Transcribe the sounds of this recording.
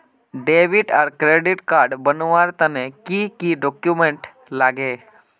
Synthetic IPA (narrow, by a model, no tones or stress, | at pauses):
ɖeʋiʈaɾkɾeɖiʈkaɾɖbənʋaɾt̪anekikiɖɔkjumeɳʈ | laɡe